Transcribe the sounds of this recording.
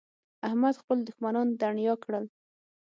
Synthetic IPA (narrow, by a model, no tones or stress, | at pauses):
ahmad̪xpəld̪ʊxmanɑnd̪aɳjɑkɽəl